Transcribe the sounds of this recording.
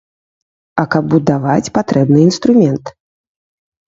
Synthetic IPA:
ɐkɐb̚bud̪avat͡sʲpat̪ɾɛbnɨinst̪ɾumʲɛnt̪

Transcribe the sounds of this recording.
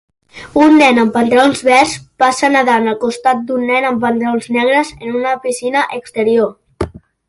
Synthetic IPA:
unːɛnəmpənt̪əonzβɛrspasənəðanəlˠkust̪at̪̚d̪unːɛnəmpənt̪əɾonznɛɣ̞ɾəzənunəpisinəʔəkst̪əɾio

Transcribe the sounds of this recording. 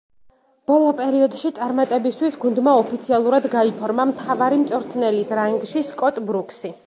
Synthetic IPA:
b̥ɔlˠɔpʼɛɾiɔd̪ʃit̪sʼaɾmat̪ʼɛbist̪ʰwisɡund̪maɔpʰit̪sʰialˠuɾad̪ɡaipʰɔɾmamt̪ʰavaɾimt̪sʼɔɾt̪ʰnɛlisɾaiŋɡʃiskʼɔt̪ʼbɾuksi

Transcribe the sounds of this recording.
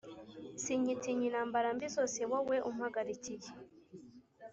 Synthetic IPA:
siɲitiɲinaːmbaɾambizo̞ːse̞waweʔum̩haɡaɾicije

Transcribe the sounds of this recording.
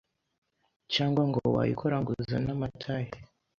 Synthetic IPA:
t͡ʃaːŋɡwaŋɡowa̰jḭkʰoɾaŋɡuzanamatʰaje

